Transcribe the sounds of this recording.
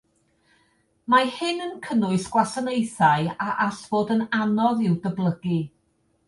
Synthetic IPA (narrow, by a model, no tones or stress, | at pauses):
mahɪnənkʰənʊɨsɡ̥wasanejθaɨaʔaɬv̥oːdənanɔðɪwdəblˠəɡi